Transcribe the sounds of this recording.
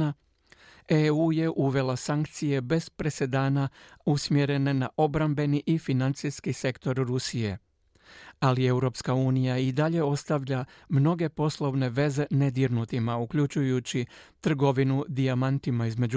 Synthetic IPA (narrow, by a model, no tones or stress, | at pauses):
a | euje̞ʔuʋe̞lasaŋkt̪sije̞be̞spɾe̞se̞d̪aːnausmje̞ɾe̞ne̞naʔo̞bɾambe̞niʔifinant̪siskise̞kt̪o̞ɾɾusijḛ | alie̞wɾo̞pskauːnijaid̪aʎe̞o̞st̪aʋʎamno̞ɡe̞po̞slˠo̞ʋne̞ʋe̞zene̞d̪iɾnut̪imaukʎut͡ʃujut͡ɕit̪r̩ɡo̞ʋinud̪iamant̪imaizme̞d͡ʑu